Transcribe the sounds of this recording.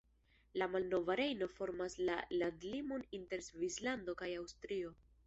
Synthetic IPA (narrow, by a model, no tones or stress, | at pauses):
lamalno̞vaɾe̞jno̞fo̞ɾmaslalandlimo̞ninte̞ɾzvislando̞kajawstɾio̞